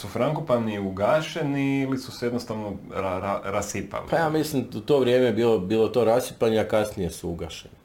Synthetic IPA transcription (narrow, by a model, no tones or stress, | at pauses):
sufɾaŋkopaniuɡaʃeniilisusɛjenost̪aʋnoaɾaɾasipa̰lipajaːmislimut̪o̞ʋɾje̞ːmebiːlobiːlˠot̪o̞ːɾasipaɲeakasnije̞suuɡaʃeni